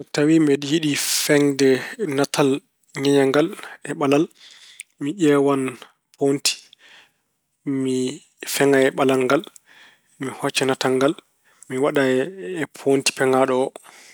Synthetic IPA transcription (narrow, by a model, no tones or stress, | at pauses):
tawimbɛɗijiɗifɛŋdɛnatʰal | ɲɛɲaŋɡalɛɓalal | miʄɛwan | ponti̥ | mi | fɛŋajɛɓalaŋɡal | mihɔt͡ʃːɛnataŋɡal | miwaɗajɛɛpʰonti̥pɛŋaɗɔɔ